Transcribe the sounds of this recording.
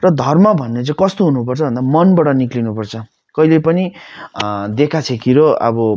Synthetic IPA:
rʌd̪ʱʌrmʌbʱʌnːet͡saĩkʌst̪oɦunupʌrt͡sʰʌbʱʌnd̪amʌnbaɽʌniklinupʌrt͡sʰʌ | kʌɦilepʌni | d̪ekʰat͡sʰekiɾoʌ̰bʌ

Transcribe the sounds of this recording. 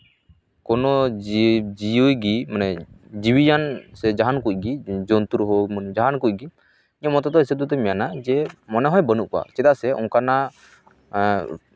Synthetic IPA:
kɔnɔ | d͡ʒijujɡimanɛ | d͡ʒiwijansɛd͡ʒaɦankuc̚ˀɡid͡ʒɔnt̪uɾɦɔmənd͡ʒaɦankuc̚ɡi | iɲɔmɔt̪ɔt̪ɔisəd̪ut̪̬ɛmɛjanad͡ʒɛmɔnɛɦɔjbənuʔka̰t͡ʃɛd̪aʔsɛʔɔ̰̃ŋkana

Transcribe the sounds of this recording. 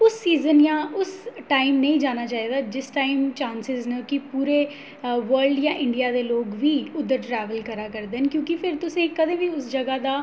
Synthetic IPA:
ʊsːiːzənjãːʊsʈaːimnə̃ĩːd͡ʒaːnaːt͡ʃaːiːd̪aːd͡ʒɪsʈaːimt͡ʃãːnsɪznəkɪpuːɾeː | ʋəɾlɖjãːʔɪɳɖijaːd̪eːloːɡʋiːʊd̪ːəɾʈɾɛːʋəlkəɾaːkəɾd̪eːɦənkjõːkɪpʰɪɾt̪ʊsẽːkəd̪ẽːʋiːʊsd͡ʒəɡaːd̪aː

